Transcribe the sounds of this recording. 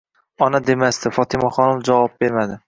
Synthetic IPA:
ɒnad̪e̞mast̪ɪfɒt̪ʰɪmaχɒnʊfd͡ʒavɒp̚be̞ɾmad̪ɪ

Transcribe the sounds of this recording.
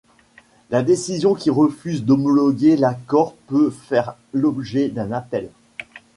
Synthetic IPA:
lad̪esizjɔ̃kʲiʁəfyzd̪ɔmɔlɔɡʲelakɔʁpøfɛʁlɔbʒɛd̪ɛ̃napɛl

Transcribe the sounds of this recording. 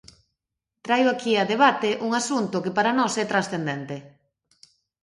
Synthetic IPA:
t̪ɾajʊakiaðeβat̪eʔuŋasunt̪ʊkepaɾanɔsɛt̪ɾasθend̪ɛnt̪e

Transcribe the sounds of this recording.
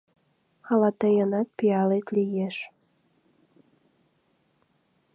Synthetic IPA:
ɑlɑt̪əjənɑt̪̚piɑlet̪lijeʃ

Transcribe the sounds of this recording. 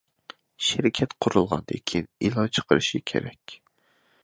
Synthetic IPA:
ʃeɾɪkʲʰɛt̪qʰʊɾulˠʁɑ̰nd̪ḛkʲʰinilˠɑt͡ʃʰə̥qʰəɾɨʃikʲʰḛɾɛkʲ

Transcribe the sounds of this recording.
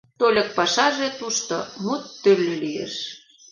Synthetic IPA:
t̪olʲə̆k̚pɑʃɑʒet̪uʃt̪omut̪ːølʲːølijḛʃ

